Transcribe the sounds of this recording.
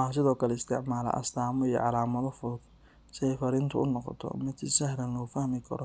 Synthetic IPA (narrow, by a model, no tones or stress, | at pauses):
ɑɦs̬ɪðɔːkʰɐlɛɪst̪ʰɛʕmaːlɐ̰ʔɐ̰st̪ʰaːmɔijɔ̰ʕɑlaːmɐðɔfʊd | sɪɛjfɐɾɪnt̪ʰʊʊnɔqɔ̰t̪ʰɔ̰mɪd̪sɐhɾɐnlɔːfɐhmɪkʰɐ̰ɾɔ